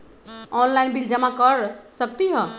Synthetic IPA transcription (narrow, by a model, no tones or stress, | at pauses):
ɔnlainbild͡ʒəmakəɾsək̚t̪iɦə